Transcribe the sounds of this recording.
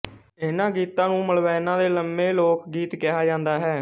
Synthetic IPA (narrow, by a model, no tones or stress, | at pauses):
ɪnãːɡiːt̪ãːnũːməlʋɛːnãːd̪eːləmbeːloːkɡiːt̪kɪɦaːd͡ʒãːnd̪aːɦɛː